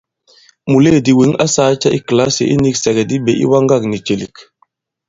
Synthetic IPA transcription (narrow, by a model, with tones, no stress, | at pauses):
mu˨le˦˨di˨wi˨˦ŋa̰˦saː˨˦t͡ʃa˦ʔi˦kla˦sḛ˨ʔḭ˦ni˦ksɛ˨ɡɛ˨di˦be˨ʔḭ˦wa˦ŋɡa˦˨kni˨t͡ʃe˨li˨k